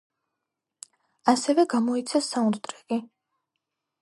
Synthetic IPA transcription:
asɛvɛɡamɔit̪sʰɛsːauɾd̪ʼɾɛɡ̥i

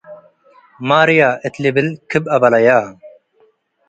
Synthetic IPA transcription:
maːɾijaːʔet̪lebɪlkʰɨbɐbɐlɐjaː

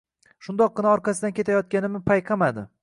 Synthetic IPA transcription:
ʃʊnd̪ɒqːɨnaɒɾqʰɑsɪd̪ankʲet̪ʰajɒt̪̚kʲanɪmɪpʰajqʰɑmad̪ɪ̰

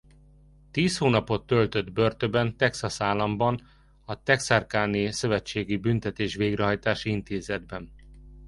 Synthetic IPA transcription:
t̪iːshoːnɒpo̞t̪ːølt̪ød̪børt̪øbɛnt̪ɛksɒsaːlːɒmbɒn | ɒt̪ɛksarkaːnesø̞vɛt͡ʃːeːɡibynt̪ɛt̪eːʃʋeːɡrɛɦɒjt̪aːʃiint̪eːzɛd̪̚bɛn

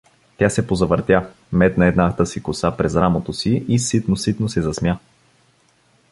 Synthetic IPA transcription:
t̪ʲasɛpozɐvəɾt̪ʲja | mɛt̪nɐɛd̪nat̪əsikʊsapɾɛzɾamot̪osiisit̪nosit̪nosɛzɐsmja

